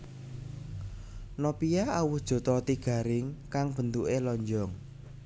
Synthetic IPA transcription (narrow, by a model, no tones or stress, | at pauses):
nɔpijaawʊhd̥ʒ̥ɔ̤t̪ɔt̪iɡ̥ä̤ɾɪŋkaŋb̥ə̤nd̪uʔelɔɲd͡ʒɔŋ